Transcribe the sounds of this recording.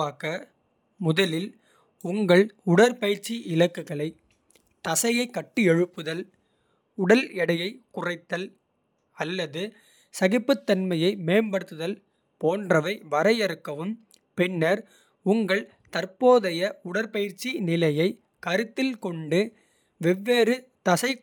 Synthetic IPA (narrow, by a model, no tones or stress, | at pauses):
aːkɐ | mʊðɐlɪl | ʊŋɡɐɭʊɽɐɾpɐjɪɾt͡ʃːiʔɪlɐkːɯɣɐɭɐɪ | t̪ɐsɐjɐɪkːɐʈːɯɛɻɯpːɯðɐl | ʊɽɐlɛɽɐjɐɪkʊrɐɪt̪ːɐl | ɐlːɐðɯ | sɐɣɪpːɯt̪ːɐnmɐjɐɪmeːnbɐɽɯt̪ːɯðɐl | poːndrɐʋɐɪʋɐɾɐɪjɛɾɯkːɐʋɯm | pɛnːɐɾ | ʊŋɡɐɭ | t̪ɐrpoːðɐjɐʊɽɐɾpɐjɪɾt͡ʃːinɪlɐjɐɪ | kɐɾɯt̪ːɪlkɔɳɖɯ | ʋɛʋːeːrɯt̪ɐsɐɪ